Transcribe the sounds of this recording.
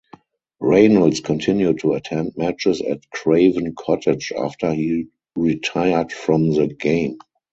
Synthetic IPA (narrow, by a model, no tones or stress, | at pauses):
ɹẽɪnəlskʰɔ̃ntʰɪ̃njuttʰːuətʰɛ̃nd̚mæt͡ʃɪsɛ̰tkʰɹeɪvə̃nkʰɔtʰɪd͡ʒa̰ftʰə˞hiː | ɹitʰaɪə˞dfɹɔ̃mðəɡẽɪ̃m